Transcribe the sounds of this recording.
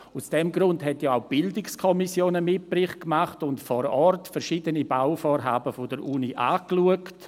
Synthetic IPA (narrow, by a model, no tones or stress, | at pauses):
ʊsd̥ɛmɡɾʊndhɦɛtjoaʊb̥ɪldɪkskʰɔmisjoːnəmɪt̚b̥rɪχkmaχtʊntfɔːɾɔrtfɛɾʃiːdənibawfoːɾɦaːbəfɔdəɾʔuniʔaːkluəkt